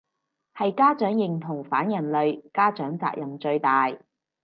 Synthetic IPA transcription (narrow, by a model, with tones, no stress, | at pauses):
hɐ˨jkaː˥t͡ʃœː˨˥ŋjɪ˨ŋt̪ʰʊ˨˩ŋfaː˨˥njɐ˨˩nlɵ˨ɥkaː˥t͡ʃœː˨˥ŋt͡sa̰ː˧k̚jɐ˨˩mt͡ʃɵ˧ɥt̪aː˨j